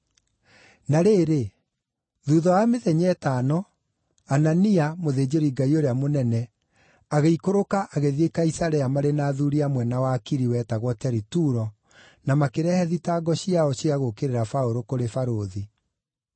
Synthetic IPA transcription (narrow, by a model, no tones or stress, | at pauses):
naɾeːɾe | ðuːðɔameðɛɲɛtaːnɔ | ananiamoðed͡ʑeɾiɡaioɾeamonɛnɛ | aɣeikoɾokaʔaɣeðiekaisaɾɛamaɾenaːðuɾiamwɛnawakiɾiwɛːtaɣwɔtɛɾituɾɔ | namakeɾɛhɛðitaːɡɔɕiaɔɕiaɣokeɾeɾafaoɾokoɾefaɾoði